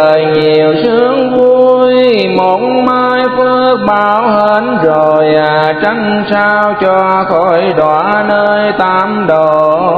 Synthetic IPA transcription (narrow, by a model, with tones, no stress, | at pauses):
əː˨˩jɲi˨˩əwsɨ˨˦əŋvu˧jmo˨˦nmaː˧jfɨ˧˦k̚ɓaː˨˦whə˧˦nzo˨˩jlaː˨˩t͡ɕa˧ŋ | saː˧wt͡ɕɔ˧xɔ˧˦jɗwaː˧˨˦nəː˧jt̪aː˧˥mɗo˨˩